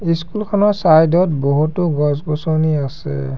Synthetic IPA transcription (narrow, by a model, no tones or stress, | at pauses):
iskulkʰɔnɔsajdɔtboɦutuɡɔsɡɔsɔniasɛ̰